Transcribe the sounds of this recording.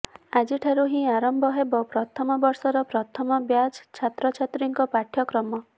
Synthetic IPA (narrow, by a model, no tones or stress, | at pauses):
ad͡ʒiʈʰaɾuɦĩaɾɔmbʱɔɦebɔpɾɔt̪ʰɔmɔbɔɾsɔɾɔpɾɔt̪ʰɔmɔbjad͡ʒt͡ʃʰat̪ɾɔt͡ʃʰat̪ɾiŋkɔpaʈʰjɔkɾɔmɔ